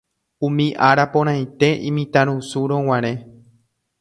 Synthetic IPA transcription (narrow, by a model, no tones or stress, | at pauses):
ũmĩʔaɾapõɾ̃ãj̃t̪e̞ʔḭ̃mĩt̪ãɾ̃ũsuɾõw̃ãɾ̃ẽ̞